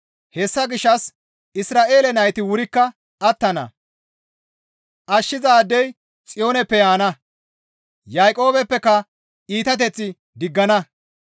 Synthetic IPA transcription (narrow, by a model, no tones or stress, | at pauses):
hɛsːɐɡɪʃːɐs | ɪsɾaːʔe̞ːlɛnɐjt̪ɪwʊɾɪkːɐː | t̪ːɐnɐ̰ | ʔɐʃːɪzaːd̪ːɛj | t͡sʼɪjo̞ːnɛpːɛjaːnɐ | jajkʼo̞ːbɛpːɛkːɐ | iːt̪ɐt̪̬ɛt͡sːɪ | d̪ɪɡːɐnɐ